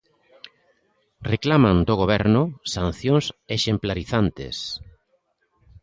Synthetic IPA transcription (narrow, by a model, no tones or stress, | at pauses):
reklamãnd̪oɣ̞oβ̞ɛɾnʊsanθjoŋseʃemplaɾiθant̪ḛs